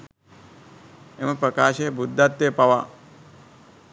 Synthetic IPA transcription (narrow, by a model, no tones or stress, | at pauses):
emɐpɾɐkaːʃeːbʱud̪ːat̪ːeːpɐʋa